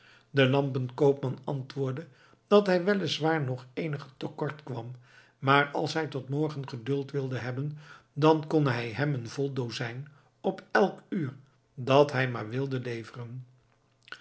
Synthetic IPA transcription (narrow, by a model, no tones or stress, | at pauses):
dəlɑmpənkowpmɑnɑ̰ntʋʊːɹdə | d̥ɑtɦɛjʋɛlɪsʋaːɹnɔχejnəχə̥təkɔɹtkʋɑm | maːɹɑ̰lˠsɦɛjtɔtmɔɹχənχədɵlˠtʋɪlˠdəɦɛbəndɑnkɔnɦɛjɦɛmənvɔlˠdowzɛjn | ɔpɛlˠkyːɹ | dɑtɦɛjma̰ːɹʋɪlˠdəlejvərən